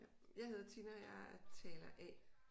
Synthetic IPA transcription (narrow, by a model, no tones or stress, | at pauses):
jɑ̈ɪe̝ð̞ˠɐt͡sʰinɐjɑt͡sʰɛːlɐʔɛ